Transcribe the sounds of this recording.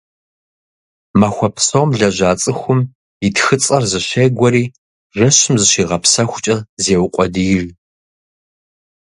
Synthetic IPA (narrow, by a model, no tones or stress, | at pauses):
maxʷɔpʰsowmɮɐʑaːt͡sʼɨxʷʊm | itxɨt͡sʼɐrzɨɕejɡʷɔɾiː | ʒɐɕɪmzɨʃiːʁɐpʰsɐxʷʊt͡ʃʼɐzeːwʊqʷʼɔdɨjɪr